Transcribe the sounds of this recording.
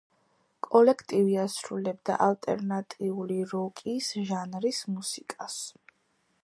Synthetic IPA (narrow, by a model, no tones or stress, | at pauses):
kʼɔlɛkʰt̪ʼiviasɾulɛbd̪a̰ʔalt̪ʼɛ̰ɾnat̪ʼiuliɾɔkʼisʒanɾismusikʼas